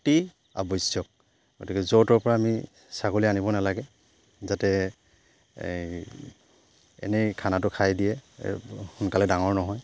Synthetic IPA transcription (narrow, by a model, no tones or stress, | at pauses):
ti | a̰bɔjsjɔk̚ | ɡ̥otikɛzotɔɹpɔɹaːmi | sakolianibɔnalaɡɛ | zatɛ | ɛ̰nɛkʰanatʊkʰajdijɛ | xʊnkalɛdaŋɔɹnɔɦɔj